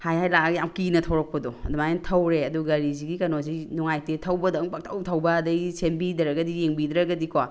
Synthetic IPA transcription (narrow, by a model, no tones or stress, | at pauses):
hajhajlaaɡjamkinɐtʰɐwɾɐkʰodoɐdumajantʰɐwɾeɐduɡɐɾiziɡikɐnozinuŋajtetʰɐwbɐdɐŋpɐk̚tʰɐwtʰɐwbɐdɐjsembidɐɾɐɡɐdijeŋbid̪ɾɐɡɐdikowa